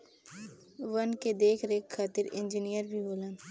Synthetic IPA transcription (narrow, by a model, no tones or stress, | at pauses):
ʋənked̪eːkʰɾeːkxaːt̪ɪɾɪ̃nd͡ʒinijəɾbʱiboːlã